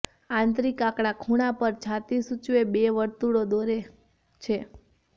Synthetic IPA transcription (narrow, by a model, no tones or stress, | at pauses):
ãnt̪̬ɾikãkɽ̃akʰuɽ̃apəɾt͡ʃʰat̪isut͡ʃʋebeʋəɾt̪uɽod̪oɾe | t͡ʃʰe